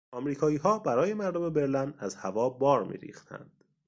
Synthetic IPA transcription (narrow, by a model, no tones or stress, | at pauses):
ʔɒːmɾiːkʰɒːiːɦɒːbæɾɒːje̞mæɾd̪ome̞be̞ɾlænæzhævɒːbɒːɾmḭːɾḭːxt̪ʰæ̰nd̪̥